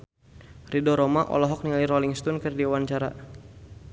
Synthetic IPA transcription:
rʔidɔɾɔmaʔɔ̰lɔɦɔk̚niŋaliɾɔliŋst̪ɔnkərdiawant͡ʃaɾa̰

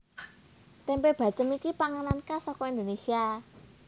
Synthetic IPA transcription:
t̪ɛmpeb̥a̤̥t͡ʃəmikipaŋanankasɔkɔind̪onesia

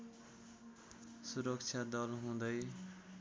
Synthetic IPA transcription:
suɾʌkt͡ʃʰad̪ʌlɦũd̪ʌj

